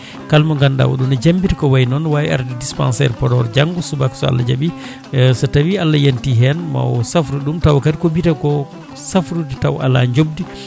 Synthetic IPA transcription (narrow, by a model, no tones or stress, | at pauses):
kalmaŋɡanda̰wɔ̰ɗumɛd͡ʒambitikɔwajnɔnwajia̰ɾdidispa̰nsɛ̰ɾpɔɾɔɾd͡ʒaŋɡusubaksɔa̰lːad͡ʒabi | satawialːajantiɦɛnma̰wsafɾuɗumtawkatikobitakɔ | safɾudɛtawa̰la̰ɲd͡ʒob̚di